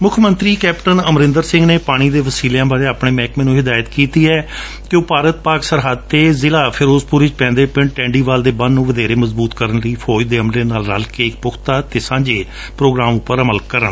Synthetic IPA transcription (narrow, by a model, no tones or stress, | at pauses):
mʊkʰmənt̪ɾiːkɛːpʈənəmɾɪ̃nd̪əɾsɪ̃ŋɡneːpaːɽ̃iːd̪eːʋəsiːleãːbaːɾeːaːpɳ̃eːmɛ̃ːkmɛːnũːɦɪd̪aːjət̪kiːt̪iːɛː | kɪoːpaːɾət̪̚paːksəɾɦəd̪̚t̪eːzɪlaːpʰɪːɾoːzpʊɾɪt͡ʃpɛ̃ːnd̪eːpɪɳʈʈɛ̃ːɳɖiːʋaːld̪eːbənnːũːʋəd̪eːɾeːməzbuːt̪kəɾənɾəiːpʰɔːd͡ʒd̪eːəmleːnaːlɾəlkeːɪk̚pʊkʰt̪aːt̪eːsãːɲd͡ʒeː | pɾoːɡɾaːmʊpːəɾəməlkəɾəɳ